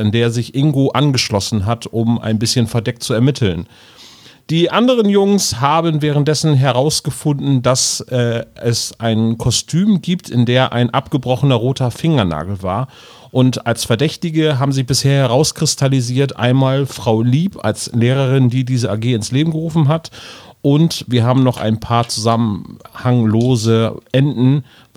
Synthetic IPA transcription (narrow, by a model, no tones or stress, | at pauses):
ɪndeːɐzɪçʔɪŋɡoːʔanɡəʃlɔsn̩ɦatʔʊmʔa̰ɪnbɪsçənfɛɐdɛk̚t͡suɛɐmɪtʰl̩n | d̥iːʔandəʁ̞ənjʊŋshaːbənvɛːʁ̞ən̩t̚d̥ɛsn̩ɦɛʁaʊsɡ̥əfʊndn̩dasʔɛːɛsʔaɪnkʰɔstʰyːmɡiːptɪndeːɐʔa̰ɪnʔapɡ̥əbʁɔχənɐʁoːtʰɐfɪŋɐna̰ːɡl̩va̰ːɐ | ʔʊntalsfɛɐdɛçtɪɡəɦaːbm̩zɪçb̥ɪsheːɐhɛʁ̞aʊskʁ̥ɪstʰaliziːɐtʔa̰ɪnmaːlfʁ̥aʊliːpa̰lsleːʁəʁɪndiːdiːzəʔaːɡeːɪnsleːbm̩ɡəʁuːfn̩ɦatʔʊntviːɐɦaːbm̩nɔχʔa̰ɪnpʰaːɐt͡suzamənhaŋloːzəʔɛndn̩